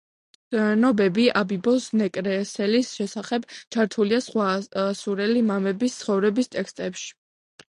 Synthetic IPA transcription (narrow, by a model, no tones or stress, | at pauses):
nɔbɛbiʔabibɔsnɛkʼɾɛsɛlisʃɛsaχɛbt͡ʃʰaɾt̪ʰuliasχwasuɾɛlimamɛbist̪sʰχɔvɾɛbist̪ʼɛkst̪ʼɛpʃi̥